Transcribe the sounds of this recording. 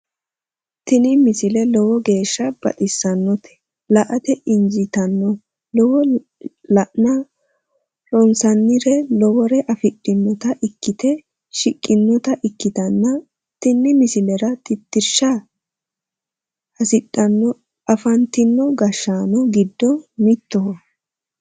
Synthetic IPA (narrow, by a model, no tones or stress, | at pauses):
t̪ɪnɪmɪsɪlɛlɔwɔɡe̞ːʃːɐb̥ɐ̰t̪ʼɪsːɐnːɔt̪ɛ̥ | lɐʔɐt̪ɛʔɪnzɪt̪ɐnːɔ | lɔwɔ | lɐʔnɐ | ɾɔnsɐnːɪɾɛlɔwɔɾɛʔɐfɪɗʼːɪnːɔt̪ɐʔɪkːɪt̪ɛ | ʃɪkʼːɪnːɔt̪ɐʔɪkːɪt̪ɐnːɐ | t̪ːɪnːɪmɪsɪlɛɾɐt̪ʼɪt̪ːɪɾʃɐ | ɐsɪɗɐnːɔ | ɐfɐnt̪ɪnːɔɡɐʃːaːnɔɡɪd̪ːɔmɪt̪ːɔw